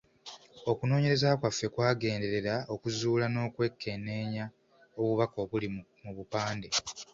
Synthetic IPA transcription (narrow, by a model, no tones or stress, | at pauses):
o̞kuno̞ːɲe̞ɾe̞zakwafːe̞kwaːɡe̞ːnde̞ɾe̞ɾao̞kuzuːlano̞ːkwe̞kʰːe̞ne̞ːɲa | oβuβakoβulimuβupaːnde